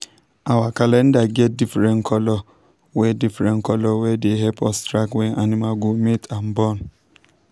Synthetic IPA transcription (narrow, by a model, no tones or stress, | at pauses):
awakalɛn̩daɡɛt̚difɾɛ̃nkʰɔlɔ | wɛdifɾɛ̃nkɔlɔwɛdeɦɛpʰɔstɾakwɛnʔanimaɡometʰam̩bɔn